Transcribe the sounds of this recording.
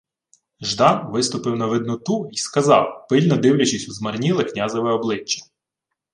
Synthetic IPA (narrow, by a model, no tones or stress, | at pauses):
ʒd̪ɑnʋɪst̪ʊpɪwnɐʋɪd̪nʊt̪uiskɐzɑ̰wpɪlʲnɔd̪ɪwlʲɐt͡ʃɪsʲuzmɐrnʲilˠɪknʲazɔʋɛɔblˠɪt͡ʃːɐ̥